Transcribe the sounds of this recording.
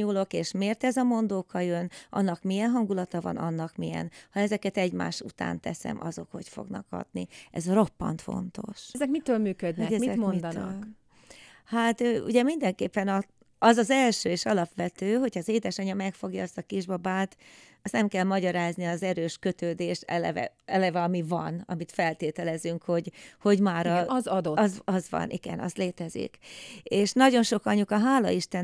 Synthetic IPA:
ulo̞keːʃmeːrt̪ɛzɒmo̞nd̪oːkʰɒjønʔɒ̰nːɒkmijɛnɦɒŋɡulɒt̪ɒvɒ̰nɒ̰nːɒkmijɛ̰nhɒɛzɛkɛt̪ɛɟma̰ːʃut̪a̰ːnt̪ɛsɛ̰mʔɒ̰zo̞kho̞cfo̞̰ɡnɒ̰kɒ̰d̪niɛ̰zro̞pːɒ̰nt̪fo̞̰nt̪o̞̰ʃzɛkmit̪øːlmyːkød̪nɛɛmiɛmond̪̰ | hat̪øːṵɟɛmind̪ɛŋkeːpːɛnɒ | ɒzɒzɛlʃøːeːʃɒlɒpʋɛt̪øːɦo̞cʰhɒːzeːd̪ɛʃɒɲɒmɛkfo̞ɡjɒ̰ːst̪ɒkiʒbɒbaːt̪ | ɒsnɛmkɛlmɒɟɒɾaːzniɒzɛɾøːʃkø̞t̪øːd̪eːʃɛ̰lɛ̰vɛ̰ɛlɛvɛɒmivɒ̰nɒ̰mit̪fɛlt̪eːt̪ɛlɛzyŋkho̞ɟho̞ɟmaːɾɒzɒd̪oɒzɒzʋɒ̰nʔḭɡ̥ɛ̰nɒ̰st̪leːt̪ɛzḭkeːʃnɒɟo̞nʃo̞kɒɲukɒɦaːlɒ̰iʃt̪ɛn

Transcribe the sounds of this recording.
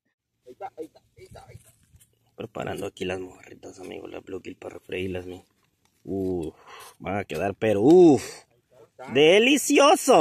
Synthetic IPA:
pɾepa̰ɾʔa̰nd̪oakilazmoarit̪asamḭɣo̰la̰βluɣilparefɾeilasmi | u | baŋakeðaɾpeɾou | d̪elisjoso

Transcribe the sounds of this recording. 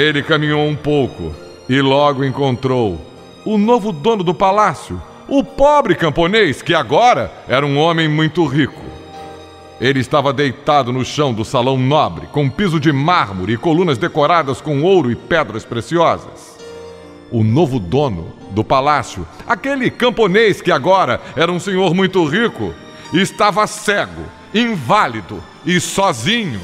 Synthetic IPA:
elɪkɐmĩɲowũpowkʊ̰ | ɪlɔɡʊẽkõnt̪ɾow | ʊnovʊd̪õnʊd̪ʊpalasjʊ | ʊpɔbɾɪkɐ̃mponejskɪaɡɔɾɐ | ɛɾɐũõmẽj̃mũj̃t̪ʊʁikʊ̰ | elɪst̪avɐd̪ejt̪ad̪ʊnʊʃɐ̃w̃d̪ʊsalɐ̃w̃nɔbɾɪkõpizʊd͡ʒɪmaɾmʊɾʊɪkolũnɐzd̪ekoɾad̪ɐskõw̃owɾʊɪpɛd̪ɾɐspɾesiɔzɐ̰s | ʊnovʊd̪õnʊ̰d̪ʊpalasjʊakelɪkɐ̃mponejskɪaɡɔɾɐɛɾɐũsẽɲoɾmũj̃t̪ʊʁikʊ | ɪɪst̪avɐsɛɡʊ̰ | ĩvalid̪ʊ | ɪsɔzĩɲʊ

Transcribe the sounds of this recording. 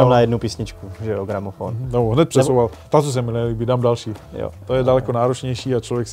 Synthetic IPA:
amnajɛdnupiːsɲɪt͡ʃkuʒɛoɡɾamofo̰noɦnɛt̪pr̥ɛsowvalt̪at̪os̬ɛmɪlɛːliːbidaːmdalʃiːjo̰t̪ojɛdalɛkonaːɾot͡ʃɲɛjʃiːat͡ʃlovjɛks

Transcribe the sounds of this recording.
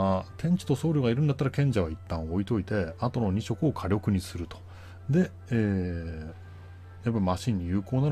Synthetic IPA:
t̪ʰẽ̞ɲ̟t͡ɕi̥t̪o̞so̞ːɾʲoɡaiɾɯ̟nd̪at̪ːaɾakẽ̞ɲ̟d͡ʑaβait̪ːãɰ̃o̞it̪o̞it̪e̞at̪o̞no̞ɲ̟iɕo̞kɯ̟o̞kʰaɾʲo̞kɯ̟ɲ̟isɨɾɯ̟t̪o̥ | d̪e̞ | eː | japːaimaɕĩɲ̟ːijɯ̟ːko̞ːnaɾ

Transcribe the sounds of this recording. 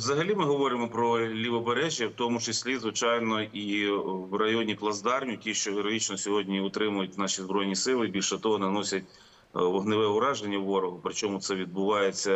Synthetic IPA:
ʋzɐɦɐlʲimɪɦɔʋɔɾɪmɔpɾɔlʲiʋɔbeɾɛʒʲjɐwt̪ɔmʊt͡ʃɐsʲlʲizʋɪt͡ʃɑjnɔiwrɐjɔnʲiplˠɐzd̪ɑrnʲitʲiʃt͡ʃɔɦeɾɔɦit͡ʃnɔsʲɔɦɔdʲnʲiʊt̪ɾɪmʊjʊtʲnɑʃizbɾɔjnʲisɪlˠɪbʲilʲʃɛt̪ɔɦɔnɐnɔsʲɐtʲ | ʋɔɦnɪʋɛʊɾɑʒenʲːɐwʋːɔɾɔɦʊpɾɪt͡ʃɔmʊt̪sɛʋʲid̪̚bʊʋɑjet͡sʲːɐ

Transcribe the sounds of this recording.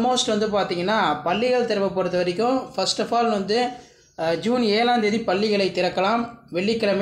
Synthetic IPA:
moːsʈʋɐnd̪ɯp̬aːɾt̪iːŋɡɐnːaːpɐɭːɪɣɐɭt̪ɪɾɐʋɐpːɔɽɯt̪ːɐʋɐɾɪk̬ʲːʊ̃fɐsʈɐfaːlʋɐnd̪ɯ | d͡ʒuːneːlaːnd̪eðipɐɭːɪɣɐɭɐɪt̪ɪɾɐkːɐlaːmʋɛɭːɪkːɐɭɐm

